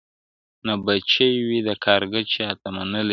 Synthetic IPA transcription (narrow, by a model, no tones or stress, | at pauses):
nabat͡ʃejwid̪akʰɑɾɡət͡ʃet̪amanəli